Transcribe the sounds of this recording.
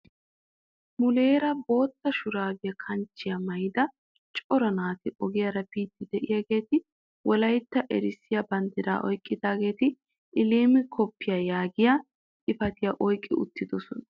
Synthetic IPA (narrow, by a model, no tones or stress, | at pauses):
mʊleːɾɐbo̞ːt̪ːɐʃʊɾaːbɪjɐkʰɐnt͡ʃːɪjɐmɐjd̪ɐ | t͡ʃʼɔɾɐnaːt̪ɪʔɔɡɪjɐɾɐpiːt̪ːɪd̪ɛʔɪjaɡe̞ːt̪ɪ | wɔlɐjt̪ːɐʔɛɾɪsɪjɐbɐnd̪ɪɾa̰ːʔɔjkʼːɪd̪aːɡe̞ːt̪ɪ | ʔɪliːmɪkʰɔpːɪjajaːɡɪja | ɪfɐt̪ɪjaʔɔjkʼːɪ̰ʊ̰t̪ːɪd̪ɔsɔnɐ